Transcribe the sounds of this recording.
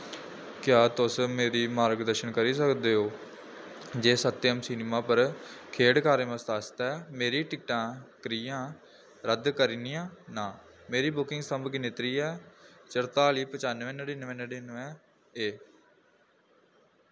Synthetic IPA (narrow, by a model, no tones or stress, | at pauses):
kjaːt̪ʊsmeːɾiːmaːɾɡd̪əɾʃənkəɾiːsəkd̪eːɦoː | d͡ʒeːsət̪ːeəmsiːnemãːpəɾkʰeːɽkaːɾeːmə̃st̪aːst̪ɛːmeːɾiːʈɪkʈãːkəɾiːãː | ɾəd̪kəɾiːnijãːnãː | meːɾiːbʊkɪ̃ŋɡsəmbkɪnɪt̪ɾiːɛːt͡ʃəɾt̪aːliːpət͡ʃaːnʋɛ̃ːnəɖiːnəʋɛ̃ːnəɖiːnʋɛ̃ː | eː